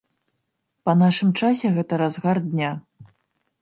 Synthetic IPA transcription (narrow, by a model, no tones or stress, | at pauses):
pɐn̪aʂɨmt͡ʂasʲɛɣɛt̪ɐɾazɣard̪ʲnʲa